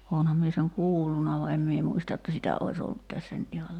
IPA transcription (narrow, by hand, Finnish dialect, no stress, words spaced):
oːnhɑm mie seŋ kuːlːunɑ ʋɑ em mie muistɑ etːæ sitæ ois olːut tæsːæ nyt ihɑl